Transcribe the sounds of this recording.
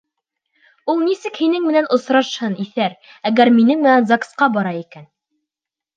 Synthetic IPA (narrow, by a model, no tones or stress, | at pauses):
ulˠnisɘkhinɘŋmɘ̆nænʔŏsɾɑʃhɤniθæɾ | æɣæɾminɘŋmɘ̆nænzaksqɑbɑɾɑikæn